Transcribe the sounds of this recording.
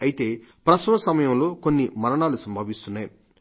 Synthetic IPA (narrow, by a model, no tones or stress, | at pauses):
ɐjit̪e̞ːpɾɐsɐmɐsɐmɐjɐmlo̞ːko̞nːimɐɾɐɳaːlusɐmbʱɐːʋist̪unːaːju